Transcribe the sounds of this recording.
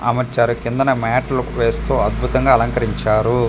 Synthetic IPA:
ɐ̰mɐt͡ʃaːɾukind̪ɐnɐmaːʈɐlɐkʋeːst̪uːɐd̪̚bʱut̪ɐŋɡaːɐlɐŋkɐɾiɲt͡ʃaːɾu

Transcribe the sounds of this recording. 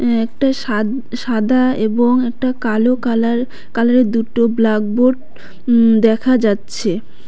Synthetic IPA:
ɛkʈaʃa | ʃad̪ʱaeboŋɛk̚ʈakalokalaɾ | kalaɾed̪uʈoblak̚boɖ | d̪ɛkʰad͡ʑatːɕʰe

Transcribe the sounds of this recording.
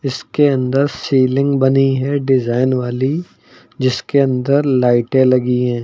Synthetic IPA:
ɪskeɐ̃nd̪əɾsiːlɪ̃ŋɡbɐniɦɛɖɪzaːɪnʋaːli | d͡ʒɪskeɐ̃nd̪əɾlaːɪʈẽlɐɡiɦɛ̃ː

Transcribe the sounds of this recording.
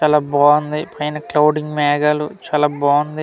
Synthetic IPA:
t͡ʃaːlaːbaːɐnd̪ipʰɐjnɐklɐwɖiŋɡmaːɡaːlut͡ʃaːlaːbaːɐnd̪i

